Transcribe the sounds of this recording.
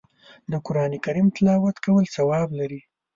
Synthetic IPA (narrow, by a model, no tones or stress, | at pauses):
d̪əkʊɾɑnekaɾimt̪ɪlɑwat̪kawəlsawɑblaɾi